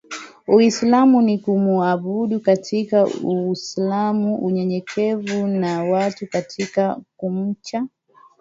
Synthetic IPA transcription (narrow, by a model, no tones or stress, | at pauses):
uislamunikumuaɓuɗukatʰikauislamuʔuɲɛɲɛkʰɛvunawatukatʰikakum̩t͡ʃa